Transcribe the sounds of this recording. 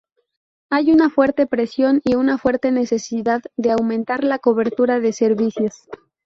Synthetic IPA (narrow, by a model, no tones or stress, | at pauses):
ajunafwe̞ɾt̪e̞pɾe̞sjo̞niunafwe̞ɾt̪e̞ne̞se̞siðaððe̞awmẽnt̪aɾlako̞βe̞ɾt̪uɾaðe̞se̞ɾβisjos